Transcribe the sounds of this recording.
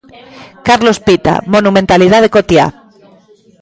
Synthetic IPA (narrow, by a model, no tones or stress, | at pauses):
kaɾlospit̪a̰monumẽnt̪alið̞aðekot̪ja̰